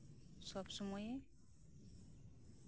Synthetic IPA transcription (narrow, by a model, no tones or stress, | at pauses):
sɔbsɔmɔje